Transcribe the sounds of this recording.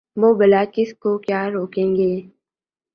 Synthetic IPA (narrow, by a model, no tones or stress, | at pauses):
ʋoːbəlaːkɪskokjaːɾoːkẽːŋɡeː